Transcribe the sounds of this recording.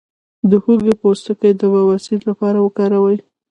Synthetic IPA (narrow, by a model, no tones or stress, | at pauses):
d̪əhuɡepost̪əkəjd̪əbawasit̪lapɑɾawəkɑɾawəj